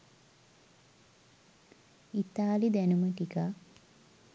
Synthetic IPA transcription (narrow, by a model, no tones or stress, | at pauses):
it̪aːlid̪ænuməʈika